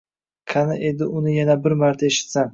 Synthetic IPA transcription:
kʰanɪʔe̞d̪ɪʔʊnɪjanabɪɾmaɾt̪ʰae̞ʃɪ̥t̪san

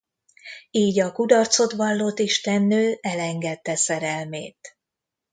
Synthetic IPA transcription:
iːɟɒkud̪ɒrt̪so̞t̪ʋɒlːoːt̪iʃt̪ɛnːøːʔɛlɛŋɡɛt̪ːɛsɛɾɛlmeːt̪

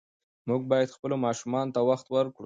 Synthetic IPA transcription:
muɡ̚bɑjad̪xpəlomɑʃumɑnot̪awaxt̪wəɾkɽu

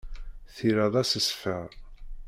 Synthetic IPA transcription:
θiɾæðˤɑsəsfə

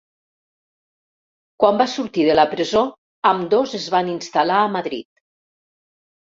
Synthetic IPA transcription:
kwambasuɾt̪iðələpɾəzo | əmd̪ozəzβaninst̪alaəmaðɾḭt̪̚

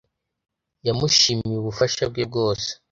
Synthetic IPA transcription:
jamuʃimiuβufaʃab̚ɡeb̚ɡo̞ːse̥

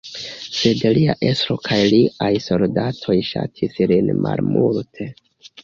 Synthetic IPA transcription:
se̞dliaʔesɾo̞kʰajliʔajso̞ldatʰo̞jʃa̰tʰislinma̰lmultʰe̞

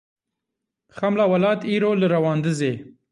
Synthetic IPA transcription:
xamlɑwalɑt̪iɾoləɾawɑnd̪əze

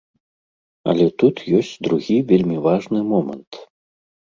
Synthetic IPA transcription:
ɐ̰lʲɛt̪ut̪jɔsʲt͡sʲd̪ɾuɣʲivʲelʲmʲivaʐnɨmɔmɐ̰nt̪

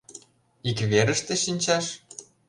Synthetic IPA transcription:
ikβeɾəʃt̪ĕʃinʲt͡ɕɑʃ

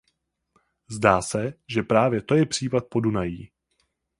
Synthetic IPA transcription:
zdaːsɛʒɛpɾaːvjɛt̪o̞jɛpr̝̥iːpat̪̚po̞dunajiː

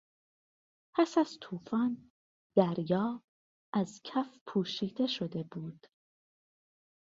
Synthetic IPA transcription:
pʰæsæz̥t̪ʰuːfɒːn | d̪̥æɾjɒː | ʔæzcʰæfpʰuːʃiːd̪e̞ʃo̞d̪e̞buːd̪̥

